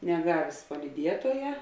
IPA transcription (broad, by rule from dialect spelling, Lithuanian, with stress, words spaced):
nʲɛˈɡɑːʋʲeːs pɐlʲiːˈdʲiɛtuɔjɛ